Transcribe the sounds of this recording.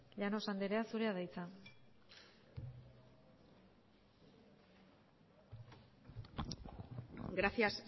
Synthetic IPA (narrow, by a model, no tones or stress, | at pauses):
ʎano̞sand̪eɾe̞asuɾe̞aðajt͡sa | ɡɾasias